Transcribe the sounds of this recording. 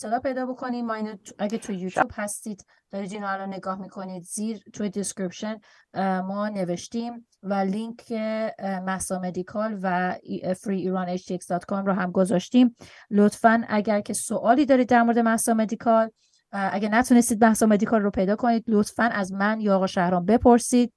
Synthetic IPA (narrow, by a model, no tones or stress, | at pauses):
et̪ʰːelɒːhpʰe̞jd̪ɒːbo̞kʰo̞niːmɒːiːnʔæɟæt̪ʰujejut̪ʰuːb̥hæst̪iːd̪̥ | d̪̥ɒːɾiːd̪iːnɔalɾɔnːe̞ɡɒːhmikʰo̞niːd̪ziːɾt̪ʰujed̪eskɾipʃen | mɒːne̞ve̞ʃt̪iːm | væliŋkʰemæhsɒmed̪ikʰɒlvæfɾiːɾɒnet͡ʃd̪ieksd̪ɒt̪ʰkʰɔmɾɔːɦæmɡo̞zɒʃt̪iːm | lot̪ʰfænæɟæɾcʰe̞soʔɒːliːd̪ɒːɾid̪ːæɾmoɾed̪emæhsɒmed̪ikʰɒl | ʔæɡænæt̪ʰune̞st̪iːd̪mæhsɒmed̪ikʰɒlːopʰe̞jd̪ɒːkʰo̞niːd̪lot̪fænʔæzmænjɒːɣɒʃæhɾɒːmbepʰo̞ɾsiːd̪̚